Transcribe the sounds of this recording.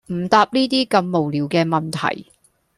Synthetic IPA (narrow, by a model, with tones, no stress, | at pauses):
m̩˨˩t̪aː˧p̚niː˥t̪iː˥kɐ˧mːo˨˩wliː˨˦wkɛː˧mɐ˨nt̪ʰɐ̰˨˩j